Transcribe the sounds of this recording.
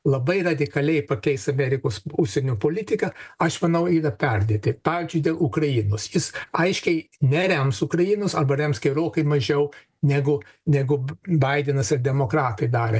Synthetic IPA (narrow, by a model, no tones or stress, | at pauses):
lˠɐbɐɪrɐd̪ʲɪkɐlʲɛɪpɐkʲɛɪsɐmʲæɾʲɪkoːsuʃsʲɛnʲoːpoːlʲɪt̪ʲɪkɐɐʃmɐnɐʊiːɾɐpʲɛrʲd̪ʲeːt̪ʲɪpɑːʋʲiːzʲd͡ʒʲʊɪd̪ʲeːlˠʊkrɐjinoːsjɪsɐɪʃʲkʲɛɪnʲɛɾʲæmsʊkɾɐjinoːsɐrbɐɾʲɛmsɡʲɛɾoːkɐɪmɐʒʲɛʊ | nʲæɡʊ | nʲæɡʊbɐɪd̪ʲɛnɐsɪɾd̪ʲɛmoːkɾɑːt̪ɐɪd̪ɑːɾʲe